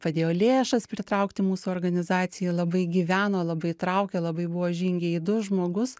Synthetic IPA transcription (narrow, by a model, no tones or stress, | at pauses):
pɐd̪ʲeːjoːlʲeːʃɐspʲɾʲɪt̪ɾɐʊkt̪ʲɪmuːsuoːɾɡɐnʲɪzɑːt̪sʲɪjɛlˠɐbɐɪɡʲiːʋʲæːnoːlˠɐbɐɪt̪ɾɐʊkʲeːlˠɐbɐɪbʊʋoːʒʲiːŋʲɡʲeiːd̪ʊʒmoːɡʊs